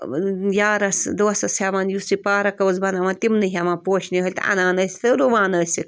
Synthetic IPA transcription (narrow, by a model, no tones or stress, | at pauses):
jaːɾɐsd̪osɐsamanjusipaːɾɐkɐwɐzbɐnamant̪imnɨɦʲamãnpoːʃniɦɐlʲt̪ɐ̰naːnəsʲt̪ɨɾuʋaːnɐːsʲi